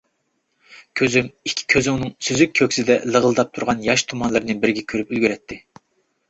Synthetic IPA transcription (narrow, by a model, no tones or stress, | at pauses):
kʲʰøzymikʲʰːi̥kʲʰøzɪunɨŋsyzykʲkʲʰøkʲsɪd̪ɛ̰lˠəʁəlˠɨd̪ɑp̚t̪ʰuɾʁɑnjɑʃt̪ʰumɑnlˠɨɾɨnɨbɪɾɡʲɛkʲʰøɾypylɡʲyɾɛt̪ʰːɪ